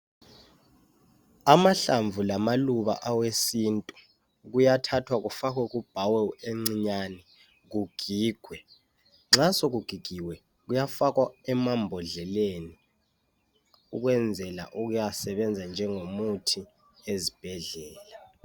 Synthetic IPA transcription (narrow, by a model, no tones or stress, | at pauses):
amaɬaɱvʱulamaluβa̰ʔawesintʼu | ɣ̬ujatʰatʰwaɣufak̬wɛk̬ub̥ʱawɛeŋ͡ǀiɲani | ɣ̬uɡ̥ʱiːɡ̥ʱwɛ | ŋ͡ǁasɔɣ̬uɡ̥ʱiɡ̥ʱiwɛ | ɣujafakwaɛmambʱɔɮɛleni | uk̬wɛnd͡zʱɛla̰ʔuɣ̬ujasɛɓɛnd͡zʱand͡ʒʱɛŋomutʰi | ezib̥ʱɛɮɛːla